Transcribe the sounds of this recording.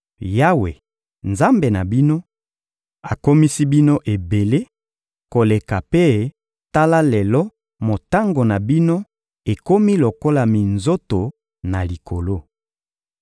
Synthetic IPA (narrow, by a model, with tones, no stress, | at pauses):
ja˦wḛ˨ | nza˦mbe˨na˨bi˦no˦ | a˨ko˦mi˦si˦bi˦no˦ʔe˨be˨le˦ | ko˨le˨ka˨pe˦ | ta˦la˦le˨lɔ˦ | mo˨ta˦ŋɡo˨na˨bi˦no˦ | e˨ko˦mi˦lo˨ko˦la˨mi˨nzo˦to˨ | na˨li˨kʰo˨lo˦